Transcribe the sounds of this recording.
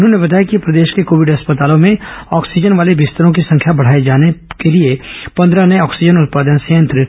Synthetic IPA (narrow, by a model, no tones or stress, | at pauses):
ʊnɦõnebɐt̪aːjakipɾɐd̪eːʃkekoːʋɪɖɦɐspət̪aːlõmẽɔːksɪd͡ʒənʋaːlebɪst̪əɾõk̬isɐ̃ŋkʰjabɐɽ̤aːed͡ʒaːnekeliepɐ̃nd̪ɾanejɔːksɪd͡ʒənʊt̪̚paːd̪ənsɐjə̃nt̪ɾə